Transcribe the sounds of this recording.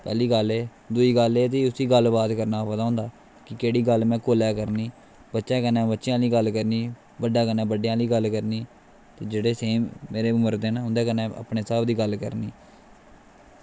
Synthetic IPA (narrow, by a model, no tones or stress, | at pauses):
pɛ̰ːliːɡəleː | d̪ʊiːɡəleːt̪̬eːʊsiːɡəlbaːt̪kəɾnaːpət̪aːʊ̃ːnd̪aː | kɪkeːɽiːɡəlmɛ̃ːkoːlɛːkəɾniː | bətːʃãːkənːɛ̃ːbətːʃjãːliːɡəlkəɾniː | bəɖːaːkənɛ̃ːbəɖejãːliːɡəlkəɾniː | t̪eːd͡ʒeːɽeːseːmeːɾeːʊməɾd̪eːnaːɦʊ̃nd̪eːkənɛ̃ːə̰pneːsaːb̚d̪iːɡəlkə̰ɾniː